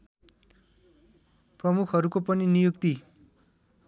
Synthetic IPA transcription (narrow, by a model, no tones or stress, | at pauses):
prʌmukʰɦʌɾukopʌninijukt̪i